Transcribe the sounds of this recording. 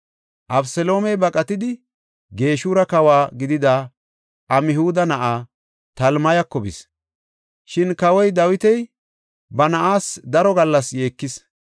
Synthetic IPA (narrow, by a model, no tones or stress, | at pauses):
ʔɐbsɛlo̞ːmɛjbɐkʼɐt̪ɪd̪ɪ | ɡe̞ːʃuːɾɐkɐwaːɡɪd̪ɪd̪a | ʔɐmɪhuːd̪ɐnɐʔaː | t̪ɐlmɐjɐkːɔbɪ̰s | ʃɪnkɐwɔjd̪ɐwɪt̪ɛj | bɐnɐʔaːsd̪ɐɾɔɡɐlːɐsje̞ːkːɪs